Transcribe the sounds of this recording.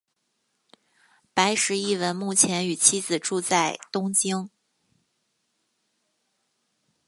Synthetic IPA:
pa˧˥ɪʂɻ̩˨˧˥i˥˩wə˧˥nmu˥˩t͡ɕʰjɛ˧˥ny˨˩t͡ɕʰi˥d͡zɹ̩˨˩ʈ͡ʂu˥˧t͡sa˥˩ɪt̪ʊ˥ŋt͡ɕi˥ŋ

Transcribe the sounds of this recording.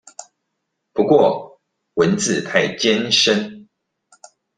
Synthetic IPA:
pu˨˦kwɔ˥˨ | wə˨˦nt͡sɹ̩˥˨t̪ʰa˥˨ɪt͡ɕjɛ˦nʂə˦n

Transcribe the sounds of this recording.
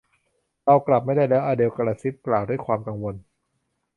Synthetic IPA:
ɾa˧wkla˨˩p̚ma˥˩jda˥˩jlɛː˦˥wʔaː˧deː˧wkaː˧ɾaː˧si˦˥p̚klaː˨˩wdu˥˩jkʰwaː˧mka˧ŋwo˧n

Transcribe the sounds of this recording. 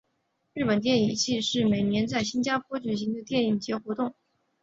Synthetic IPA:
ɻɻ̩˥˩pə˨˩nt̪jɛ˥˩ni˨˩ŋt͡ɕʰi˥˧ʂɻ̩˥˩me˨˩ɪnjɛ˧˥nt͡sa˥˩ɪɕi˥nt͡ɕja˥pʰwɔ˥t͡ɕy˨˩ɕi˧˥ŋd̪ə˧t̪jɛ˥˧ni˨˩ŋt͡ɕjɛ˧˥xwɔ˧˥t̪ʊ˥˩ŋ

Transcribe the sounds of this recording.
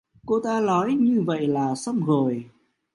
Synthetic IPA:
ko˧t̪aː˧lɔ˨˦jɲɨ˧və̰˧˨jlaː˨˩sə˧wŋ͡mɣo˨˩j

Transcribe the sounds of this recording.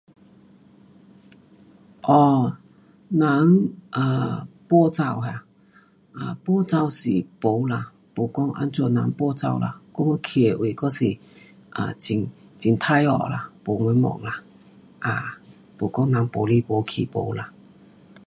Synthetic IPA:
ʔɔ˧˩ | nã˨˦ŋʔa˧˨˩pwɔ˥˧t͡sa˧wɦa˧ | ʔa˧˨˩pwɔ˥˧t͡sa˧wsi˨˩po˨˧˦la˧˨ | po˨˩kɔ˦ŋʔa̰˧˦nt͡ɕjɔ˧˩˨na̰˨˧˦ŋpwɔ˧t͡sa̰˧wla̰˧˩kɔ˧˦ŋo˧˦kʰi˨e˨ʔwi˨˩kɔ˦˥si˨˩ | ʔa̰˧˩t͡ɕi˧˩ŋ | t͡ɕi˨nt̪ʰa˧jɔ̰˨˩la̰˨˩po˨˩ŋwe˧˦mɔ̰˨ŋla˨˩ | ʔa˧˩ | po˨˩kɔ˥˦ŋnã˨˧˦ŋpo˨˦li˦˧˩po˨˦kʰḭ˨˩po̰˨˧˦la˧

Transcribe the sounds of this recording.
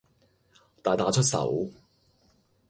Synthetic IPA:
t̪aː˨jt̪aː˨˥t͡ʃʰɵ˥t̚sɐ̰˨˥w

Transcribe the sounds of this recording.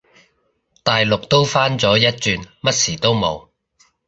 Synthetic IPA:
t̪aː˨jlʊ˨k̚t̪o˥wfaː˥nt͡sɔː˨˥jɐ˥t̚t͡ʃyː˧nmɐ˥t̚siː˨˩t̪o˥wmo˨˧w

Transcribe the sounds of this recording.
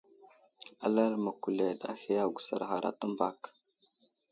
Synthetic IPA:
a˦la˦lma˨ku˨le˨ɗa̰˦xi˦ja˦ɡu˨sa̰˨ɾxa˨ɾa̰˦ta˦mba˨k

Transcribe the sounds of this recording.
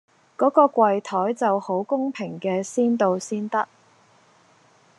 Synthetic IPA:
kɔː˨˥kɔː˧kʷɐ˨jt̪ʰɔː˨˥jt͡sɐ˨who˨˥wkʊ˥ŋpʰɪ˨˩ŋkɛː˧siː˥nt̪o˨wsiː˥nt̪ɐ˥k̚

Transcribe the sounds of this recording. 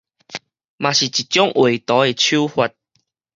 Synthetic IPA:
mã˨ɕi˨˩t͡ɕi˨t̚t͡ɕjɔ˦ŋʔwʔe˨˩t̪ɔ˨˦e˨t͡ɕʰu˦hwa˧t̚

